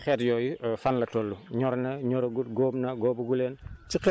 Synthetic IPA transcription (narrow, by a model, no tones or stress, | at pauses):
xɛːtjɔːjifanlɐtɔlːuɲɔɾnɐɲɔɾɐɡuɡɔːbnɐɡɔːbuɡulɛːnt͡ʃik